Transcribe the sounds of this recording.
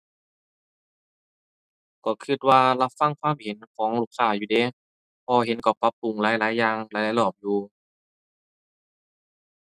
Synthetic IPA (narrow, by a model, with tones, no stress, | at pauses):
kɔː˧˩kʰɯ˧˩t̪̚waː˧la˧˩fa˧˩˨ŋkʰwaː˧˥˨mhe˨˦nkʰɔː˨˦ŋluː˧˩k̚saː˧˩juː˧˩deː˧˩˦ | pʰɔː˧he˨˦nkɔ˧˩pa˧pːu˨˩ŋlaː˨˦jlaː˨˦jːaː˧ŋlaː˧˦laː˧˦lɔː˧˩p̚juː˧